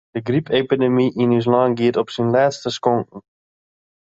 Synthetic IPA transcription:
d̥əɡripepidemiʔinys̬lɑŋɡiətɔpsinlɛːtstəskɔŋkn̩

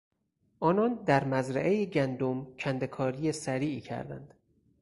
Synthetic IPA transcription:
ʔɒːnɒnd̪æɾmæzɾæ̰ʔejeɟænd̪omt͡ʃʰænd̪e̞kʰɒːɾijesæɾiːʔiːcʰæ̰ɾd̪æ̰nd̪̥

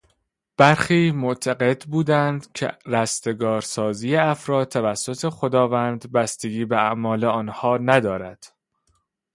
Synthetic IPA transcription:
b̥æɾxiːmot̪ʰæɡe̞d̪buːd̪ænd̪cʰḛɾæst̪e̞ɡɒːɾsɒːziːjeæfɾɒːd̪̚t̪ʰːævæsːo̞t̪ʰe̞xo̞d̪ɒːvænd̪bæst̪eɡiːbeæʔmɒːleɒːnhɒːnæd̪ɒːɾæd̪̥

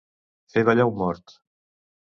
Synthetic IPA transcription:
feβaʎawmɔɾt̪

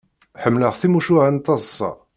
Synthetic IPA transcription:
ħəmːləʁθimuʃuʕænt̪ːɑzˤsˤːɑ̰

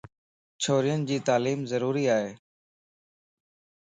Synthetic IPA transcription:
t͡ʃʰoːɾɪjənd͡ʑiːt̪aːliːmzəɾuːɾiːaːɦeː

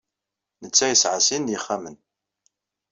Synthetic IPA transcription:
nət͡sːæjəsʕasinjiχːæmən

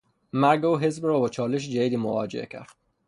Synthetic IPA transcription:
mæɾɡeuːɦezbɾɒːbɒːt͡ʃʰɒːleʃ̬d͡ʒæd̪iːd̪iːmovɒ̰ːd͡ʒeʔḛcʰæ̰ɾd̪̥

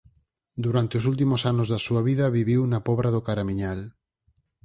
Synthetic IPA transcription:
d̪uɾant̪ɪosult̪̬imʊsanʊzðasuɐβiðɐβiβiwnɐpɔβɾaðʊkaɾamiɲal

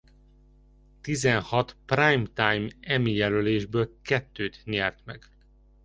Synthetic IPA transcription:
t̪izɛnhɒt̪praːjmt̪ajmɛmijɛløleːʒbøːlkɛt̪ːøːt̪ɲɛrt̪mɛɡ̥

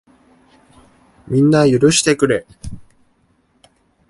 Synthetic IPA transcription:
mʲĩnːajɯɾɯ̟ɕi̥t̪e̞kɯ̟ɾe̞

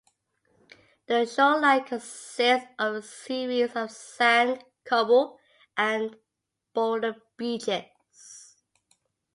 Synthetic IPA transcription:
ðəʃɔlaɪkʰə̃nssɪsəvəsiɹizəv̥sæ̃nkʰʌbəl | ʔə̃n | b̥ɔdə | b̥id͡ʒɛt | s

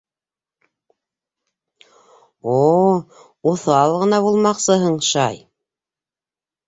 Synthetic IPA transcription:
o | oθɑlˠʁɤ̆nɑβulˠmɑqsɤɦɤɴʃɑj

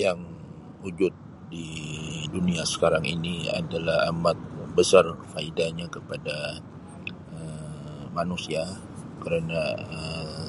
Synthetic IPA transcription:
jaŋ | ud͡ʒʊt̪̚ | diduniasə̥kaɾaŋḭnia̰dalaha̰mat̪̚bəsarfaidaɲakəpada | əmanusia | kəɾanaə

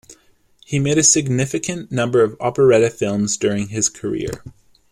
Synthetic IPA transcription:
himeɪɾɨsɨɡ̚nɪfɨkʰɨ̃nːʌ̃mbə˞ʌvɑpə˞ɛɾɨfɪlˠmzdʊɹɪ̃ŋɪz̥kʰə˞ɪ̰ɹ

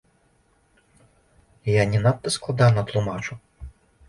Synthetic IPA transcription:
janʲinat̪ːɛsklˠɐd̪ɑnɐt̪lˠʊmɑt͡ʃʊ

